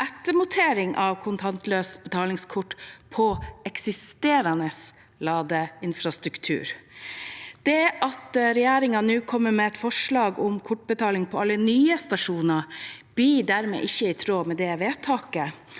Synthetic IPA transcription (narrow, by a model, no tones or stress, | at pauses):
ʔɛt̪ːəmʊt̪ʰeːɾɪŋʔɑʋkʰʊnt̪ʰɑnt̪løːsbət̪ʰɑːlɪŋskʰʊʈːpʰɔɛksɪst̪eːɾɑnəs | lɑːd̪əɪnfɾɑst̪ɾʉkt̪ʰʉ̰ːɾ | d̪̥ɛʔɑt̪ɾɛjeːɾɪŋɑnʉːkʰɔmːəmɛɛt̪fɔʂɭɑːɡʊmkʰʊʈ̚ːbət̪ʰɑːlɪŋpʰɔɑlːənyːəst̪ɑʂuːnɑb̥iːɖæːɾmɛ̰ʔɪçːəɪːt̪ʰɾoːmɛd̪ɛʋeːt̪ʰɑːkə